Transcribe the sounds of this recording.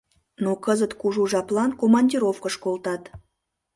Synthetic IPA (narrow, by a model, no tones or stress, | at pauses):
nokəzət̪kuʒuʒɑplˠɑnkomɑnʲdʲiɾofkəʃkolt̪ɑt̪